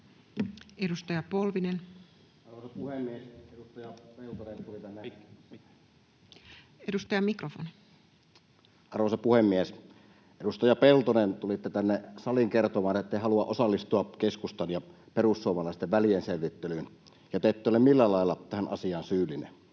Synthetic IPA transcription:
edust̪ɑjɑpolʋinen | ɑrʋosɑpuhemːiesedust̪ɑjɑpelt̪onent̪ulit̪ænːe | edust̪ɑjɑmikrofon | ʔɑrʋosɑpuhemːies | ʔedust̪ɑjɑpelt̪onent̪ulit̪ːet̪ænːesɑliŋkert̪omɑːnet̪ːˑehɑluɑʔosɑlːist̪uɑkeskust̪ɑnjɑ | perusːuomɑlɑˑest̪eʋʋælijenseʋʋit̪ːelyːn | jɑt̪eˑet̪ːeːˑolːemilːælɑˑelːɑt̪æhænʔɑ̰siɑːnsyːlːˑinḛn

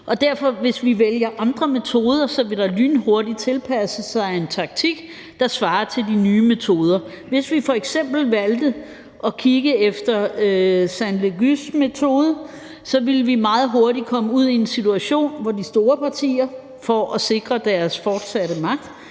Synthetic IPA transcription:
ʔɒ̽d̥æɐ̰fɒ̽ʋe̝sʋiʋeljɐʔɑ̈nd̥ʁɐme̝t͡sʰo̝ːð̞ˠɐsɒ̽ʋe̝d̥ɑly̰ːnho̝ɐdit͡sʰe̝lpʰæsəsɑ̈ɪe̝nt͡sʰɑ̈ɡ̥̚t͡sʰiɡ̥ | d̥ɑ̈sʋɑ̈ːɐt͡sʰe̝ldinyːme̝t͡sʰo̝ːð̞ˠɐ | ʋe̝sʋifɒ̽eɡ̥sem̰b̥l̩ʋæld̥ð | ʔɒ̽kʰiɡ̥əefd̥ɐøsænle̝ɡysmet͡sʰo̝ːð̞ˠə | sɒ̽ʋe̝lʋimɑ̈ːð̞̩ˠɦo̝ɐɾikʰɒ̽məuð̰ˠiensit͡sʰuæɕo̝̰ːnʋɒdisd̥o̝ːɐpʰɑ̈t͡sʰḭːɐ | fɒʔɒse̝ɡ̥ʁɐd̥æɐsfɒːd̥sæɾəmɑ̈ɡ̥̚d̥

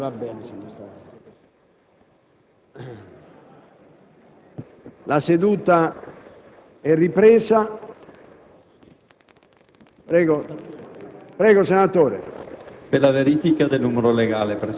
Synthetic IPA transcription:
vabɛːnesenːost̪a | lased̪uːt̪a | ɛrːipɾɛːza | pɾɛːɡo | pɾɛːɡosenat̪oːɾḛpelaveɾifikad̪elnumeɾoleɡaːlepɾe

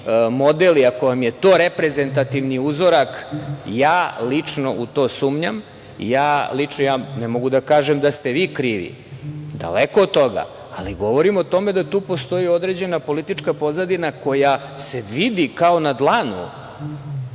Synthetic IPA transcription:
mo̞d̪eliako̞ʋamjet̪oːɾepɾe̞ze̞nt̪at̪iʋniuzo̞ɾakjaːlit͡ʂno̞ʔut̪o̞ːsuːmɲam | ḭjaːlit͡ʂnojaːnemo̞ɡud̪akaːʒemd̪ast̪e̞ʋiːkɾiːʋḭ | d̪a̰lekoːd̪̚t̪o̞ɡa̰ | aliɡo̞ʋo̞ɾimo̞t̪o̞me̞d̪at̪uːpo̞st̪o̞jio̞d̪ɾe̞d͡ʑe̞napo̞lit̪it͡ʃkapo̞zad̪inako̞ja | se̞ʋid̪ikao̞nad̪lˠanṵ

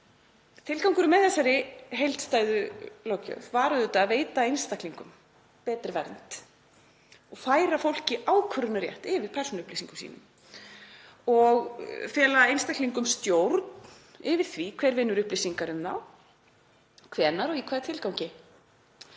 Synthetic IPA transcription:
t̪ʰɪlkawŋkʏɾʏmɛðθɛsːaɾɪɦejl̥t̪st̪aːjðʏlowcœ̰vvaːɾʏðʏt̪aːveːjt̪aejnst̪akliŋkʏm | pɛːt̪ɾɪvɛɾnt̪ | ɔɣfaːjɾafowl̥cɪʔaːwkʰʏɾʏnaɾjɛ̰ht̪ɪvɪðpʰɛr̥sunʏhplisiŋkʏmsḭːnʏ̰m | ɔɣfjɛːlaejnst̪akliŋkʏmst̪jowɾt̪nnn | ɪvɪð̥θvikʰvɛɾvɪnːʏɾʏhplisiŋkaɾʏmθa̰w | kʰvɛːnaɾɔɣikʰvaːɾt̪ʰɪlkawŋcɪ

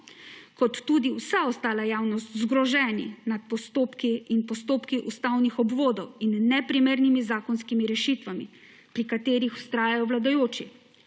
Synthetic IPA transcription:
kɔt̪ːuːd̪iwsaɔst̪aːlajaːwnɔst̪zɡɾɔʒɛnḭnat̪̚pɔst̪oːpkiinpɔst̪oːpkiʔust̪awnixɔbʋoːd̪ɔwinːɛpɾimeːɾnimizaːkɔnskimiɾɛʃit̪ʋami | pɾikat̪eːɾixu̥st̪ɾaːjajɔwlad̪ajoːt͡ʃi

